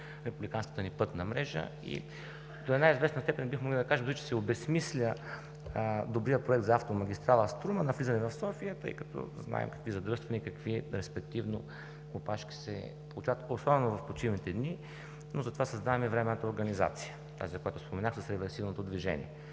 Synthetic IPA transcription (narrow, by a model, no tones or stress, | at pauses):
ɾɛpublʲikanskə̥t̪ənipɤt̪nəmɾɛʒə̰ | ḭ | d̪oɛd̪aizvɛsnəst̪ɛpɛnbixmoɡlˠid̪ɐkaʒɛmzɛt͡ʃɛ̥sɛobɛsmislʲə | d̪obɾijəpɾoɛk̚t̪zɐaft̪omɐɡʲist̪ɾalˠəst̪ɾumənɐflizɐnɛvɐfsɔfijət̪ɤ̰jkɐt̪ɔ̰zna̰ɛ̰mkɐ̥kvizɐd̪ɾɤst̪vɐnikɐkviɾɛspɛk̚t̪ivno | kopaʃkʲi̥sɛ̰ | plˠut͡ʃat̪osɔbɛnovɐfpot͡ʃivnit̪ɛd̪ni | nozəɐt̪ovasɐzd̪avɐmivɾɛmɛnət̪əoɾɡəniza̰t̪sijə | t̪a̰zikojat̪ʊspomɛnaxsəsɾɛvɛɾsivnot̪od̪viʒɛ̰nʲḭɛ